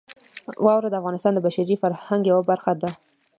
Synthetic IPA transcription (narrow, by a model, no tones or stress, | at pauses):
wʔɑwɾad̪əafɣɑnɪst̪ɑnd̪əbaʃaɾifaɾhaŋɡjawabaɾxad̪a